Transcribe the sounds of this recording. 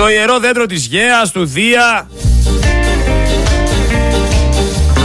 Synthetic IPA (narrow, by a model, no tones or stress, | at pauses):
o̞ie̞ɾo̞ðend̪ɾo̞t̪̬izʝeɐst̪uðiɐ